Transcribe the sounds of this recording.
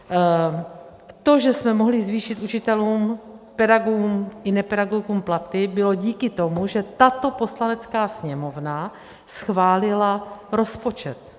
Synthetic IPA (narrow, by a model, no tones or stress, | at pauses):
t̪o̞ʒɛsmɛmo̞ɦlɪzviːʃɪt̪ut͡ʃɪt̪ɛluːmpɛdaɡumʔɪnɛpɛdaɡoɡuːmplat̪ɪbɪlo̞ɟiːkɪt̪o̞muʒɛt̪at̪o̞po̞slanɛt͡skaːsɲɛmo̞vna | sxvaːlɪlaɾo̞spo̞t͡ʃɛt̪